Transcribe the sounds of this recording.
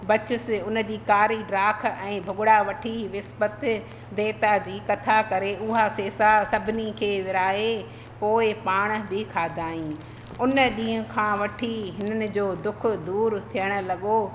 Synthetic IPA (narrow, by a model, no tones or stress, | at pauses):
bɐt͡ɕʊsɪʊnə̆d͡ʑiːkaːɾiɖɾaːkʰɛ̃ːbʱʊɡʊɽaʋɐʈʰiʋɪsbət̪ | d̪eːt̪ad͡ʑiːkɐt̪ʰakɐɾeʊɦaseːsasɐbʱɪnikʰeːʋɪɾaːe | poːɪpaːɽ̃̆bʱɪkʰaːd̪ʱaːĩː | ʊnə̆ɗĩːɦʊ̃kʰãːʋɐʈʰiɦɪnənɪ̆d͡ʑoːd̪ʊkʰʊ̆d̪uːɾt̪ʰijəɽ̃ʊ̆lɐɠo